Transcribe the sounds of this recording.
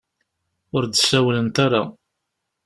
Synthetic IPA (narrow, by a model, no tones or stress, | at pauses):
ʊɾd̪sæwlənt̪aɾa